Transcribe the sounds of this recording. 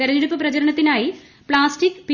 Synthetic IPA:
eɾɐɲːeɽupːɐprɐt͡ɕɐɾɐɳɐt̪ːinaːji | pɭaːsʈikːpi

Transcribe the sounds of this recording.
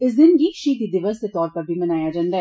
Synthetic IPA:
ɪs̬d̪ɪnkiʃiːt̪id̪ɪʋəsːet̪ɔːɾpɐɾbʱimɐnaːjad͡ʒãːnd̪a

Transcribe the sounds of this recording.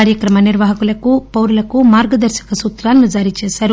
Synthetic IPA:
aːɾjɐkɾɐmɐniɾʋaɦɐkulɐkupɐwɾulɐkumaːɾɡɐd̪ɐɾʃɐ̥kɐsuːt̪ɾaːlnːud͡ʒaːɾit͡ʃeːsɐɾu

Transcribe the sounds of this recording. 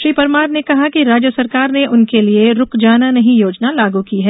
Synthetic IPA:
ʃɾiːpɐɾmaːɾnekɐɦakiɾaːd͡ʒjəsɐɾkaːɾneʔʊnkelieɾʊkd͡ʒaːnanɐɦĩjoːd͡ʒnalaːɡukiɦɛː

